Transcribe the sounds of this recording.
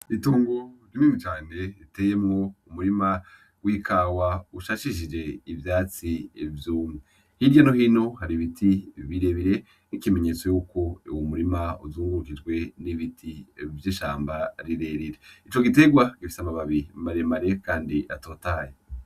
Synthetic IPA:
ituːŋɡoɾiniːnit͡ʃaːne̞ɾiteːje̞mŋo̞umuɾima | wiːkʰaːwauʃaʃiʃ̬id͡ʒe̞ivjaːt͡sivjuːmŋe | hiɾɟanohiːno̞haɾiβitʰiβiɾe̞βiɾe̞ | nikime̞ɲe̞t͡so̞juːko̞uwomuɾimaṵzuːŋɡuɾukid͡ʒɡwe̞niβitʰivjiʃaːmbaɾiɾe̞ɾiɾeit͡ʃo̞ɡite̞ɡwaɡ̥ifi̥samaβaβiɾimaɾemaɾe̞kaːndiʔa̰to̞ːtaːje

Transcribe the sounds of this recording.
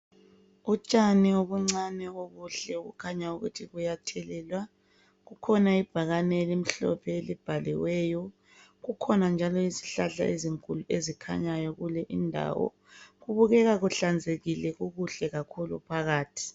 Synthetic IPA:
ut͡ʃʼanioβuŋ͡ǀanɛoɣuɬɛuɣṵkʰaɲauɣṵtʰiɣujatʰɛlɛːlwa | ɣukʰɔnaib̥ʱaɣanɛlim̩ɬɔ̰pʰɛelib̥ʱalḭwɛːjɔ | ɣukʰɔnand͡ʒʱalɔisi̥ɬaɬa̰ʔeziŋkʼuluezikʰa̰ɲajɔɣulɛʔindʱa̰ːwɔ̰ | ɣuβuɣɛɣaɣuɬand͡zʱeɣilɛɣuɣuɬɛɣakʰulṵpʰaɣaːtʰi̥

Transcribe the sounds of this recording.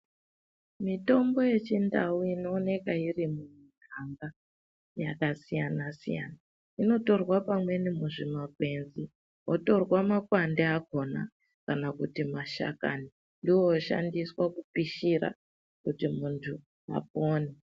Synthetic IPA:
mito̞mbo̞je̞t͡ʃindauino̞ːne̞kairimun̤uŋʱaŋɡa | jakasijanasḭja̰na | ino̞to̞rwapamwe̞nimuʐimaɡ̚ʱwe̞nzi | oto̞rwamakwandeako̞na̰ | kanakutimaʃa̰kani | ndiwooʃa̰ndiswakupiʃiɾa̰ | kutimuntʰu | a̰p̚oːne

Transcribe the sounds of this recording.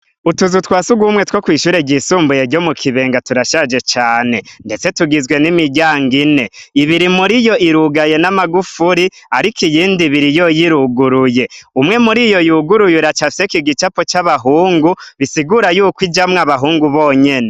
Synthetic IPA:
utuzutwaːsuɡumŋe̞two̞kwiːʃuɾeɟisuːmbujeɟo̞mukʰiβe̞ːŋɡatuɾaʃad͡ʒe̞t͡ʃaːne̞nde̞t͡se̞tuɡizwe̞nimiɟaːŋɡine̞iβiɾimuɾijo̞ʔiɾuɡaje̞namaɡufuɾiaɾikʰijiːndiβiɾijojiɾuɡuɾuje̞umŋe̞muɾijo̞juɡuɾujuɾat͡ʃafsekiɡit͡ʃapot͡ʃaβaɦuːŋɡuβisiɡuɾajuːkwid͡ʒamŋaβaɦuːŋɡuβoːɲe̞ne̞

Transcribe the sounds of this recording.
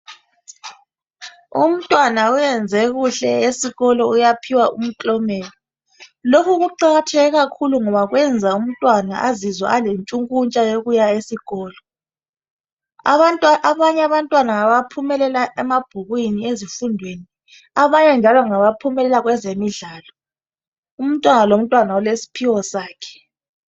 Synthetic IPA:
ṵm̩tʼwanaujɛnd͡zʱɛɣuɬɛesiɣɔlɔujapʰiwaum̩ǃʼɔmɛːlɔ | lokʰuɣuǃaɣatʰɛɣɛɣakʰuluŋɔβaɣwʔɛnd͡zʱaum̩tʼwanaʔazizwa̰alent͡ʃʼuŋkʼunt͡ʃʼajoɣujaesiɣɔːlɔ | tʼʔaβaɲɛaβantʼwanaːβapʰumɛlɛlaʔɛmab̥ʱuɣwiniezifundʱweni | aβaɲɛnd͡ʒʱalɔŋaβapʰumɛlɛlaɣwɛzemiɮaːlɔ | um̩tʼwanalom̩tʼwanaɔlesi̥pʰiwɔsaːkʰɛ̥

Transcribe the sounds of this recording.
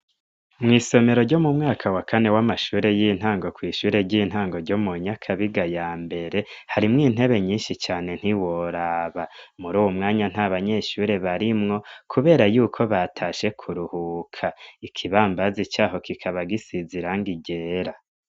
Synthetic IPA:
mŋiːso̞me̞ɾo̞ɾɟo̞mumŋaːkʰawakane̞wamaʃuːɾe̞jin̥haːŋɡo̞kwiːʃuːɾe̞ɟin̥ɦaːŋɡo̞ɾɟo̞muɲakʰaβiɡajaːmbe̞ɾe̞haɾimŋiːn̥ɦe̞βe̞ɲiːnʃit͡ʃaːne̞n̥hiwoɾaːβamuɾuːwomŋaːɲan̥haβaɲe̞ʃuːɾe̞βaɾimŋo̞kʰuβe̞ːɾajuːkʰo̞βatʰaʃe̞kʰuɾuhukʰaikʰiβaːmbazit͡ʃaːɦo̞kikʰaβaɡisiziɾaŋɡiɟe̞ːɾa

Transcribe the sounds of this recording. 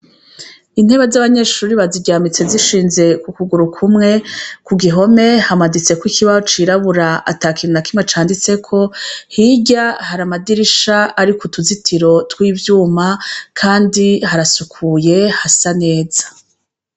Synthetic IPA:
in̥he̞βazaβaɲe̞ʃuːɾiβaziɟaːmit͡se̞ziʃiːnze̞kukuɡuɾukʰumŋe̞kuɡiɦo̞me̞hamadit͡se̞kwikʰiβaot͡ʃiɾaβuɾaa̰taːkʰinakimat͡ʃaːndit͡se̞kʰo̞hiɟahaɾamadiɾiʃaaɾikʰutuzitʰiɾo̞twiːvjuːmakʰaːndiɦaɾasukʰuje̞hasane̞ːz̥ḁ

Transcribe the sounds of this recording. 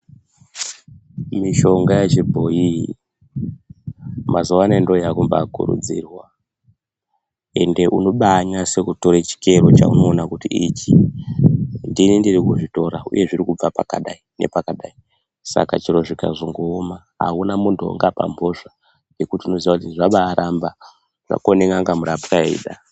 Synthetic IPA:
miʃo̞ŋɡajet͡ʃibʱo̞i | mazoʋanendo̞jakumba̰kṵɾṵd͡zḭrwa | e̞nde̞ʔuno̞ɓaɲase̞kuto̞ɾet͡ʃi̥ke̞ro̞t͡ʃa̰ṵno̞ːnakutiʔit͡ʃi | ndinindirikuʐito̞ɾaṵje̞ʐirikub͡vapakaɗainḛpakaɗai | sa̰kat͡ʃiɾo̞ʐika̰ʐoŋɡoːma | ɦa̰unamuntuo̰ŋɡapa̰mbʱo̞ʐa | je̞kutiuno̞ziʋakutiniʐaɓaːɾʔamba | ʐ̥a̰koneŋɡaŋɡamuɾapuraḭːɗa

